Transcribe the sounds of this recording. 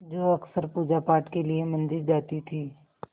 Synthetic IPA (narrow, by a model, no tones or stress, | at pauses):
d͡ʒoːɐksəɾpuːd͡ʒapaːʈkeliemɐ̃nd͡ʒɪld͡ʒaːt̪it̪ʰiː